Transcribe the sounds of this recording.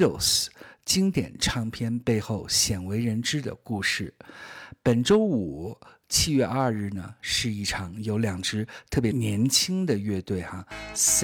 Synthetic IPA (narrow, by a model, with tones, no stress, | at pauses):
o˨˩st͡ɕi˥ŋt̪jɛ̰˨˩nʈ͡ʂʰɑ˧˥ŋpʰjɛ˥npe˥˧ɪxo˥˩ʊɕjɛ˨˩nwe˧˥ɪɻə˧˥nʈ͡ʂɻ̩˥d̪ə̰˨ku˥˧ʂɻ̩˥˩pə˨˩nʈ͡ʂo˥ʊu˨˩˦t͡ɕʰi˥˧ɥɛ˥˧ʔɐ˥˧ɻɻ̩˥˩nə̰˩ʂɻ̩˥˧i˥˩ʈ͡ʂʰɑ˨˧˥ŋjo˧˥ʊljɑ˨˩ŋʈ͡ʂɻ̩˥t̪ʰɤ˥˩pjnjɛ˧˥nt͡ɕʰi˥ŋd̪ə˨ɥɛ˥˧t̪we˥˩ɪxa˩s